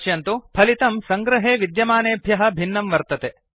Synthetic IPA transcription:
t͡ʃjɐnt̪upʰɐlit̪ɐmsɐŋɡɾɐɦeːʋid̪jɐmaːneːbʱjɐɦɐ̆bʱinːɐmʋɐɾt̪ɐt̪e

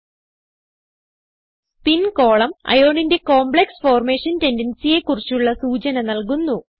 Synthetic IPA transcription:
spinko̞ːɭɐmɐ̰jo̞ːɳinde̞ko̞ːmbɭeksfo̞ːrmeːʂɐnte̞ndɐnsije̞kːurit͡ɕːuɭːɐsuːt͡ɕɐnɐnɐlkunːu

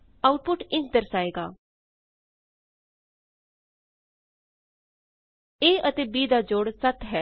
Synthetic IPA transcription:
aʊʈ̚pʊʈɪ̃nkd̪əɾsaːeːɡa̰ː | eːʔət̪eːbiːd̪aːd͡ʒoːɽsɐt̪ʰɦɛ

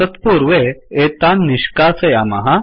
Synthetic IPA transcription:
ət̪puɾʋeet̪anːiɕkasəjamə̰ɦa

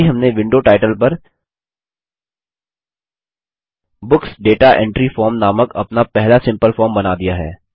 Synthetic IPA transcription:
iɦɐmneʋɪ̃ɳɖoːʈaːɪʈəlpɐɾ | bʊksɖeːʈaʔɛ̰̃ɳʈɾifɔːɾmnaːməkɐ̰pnapɛɦlasɪ̃mpəlfɔːɾmbɐnad̪ijaɦɛ̰ː

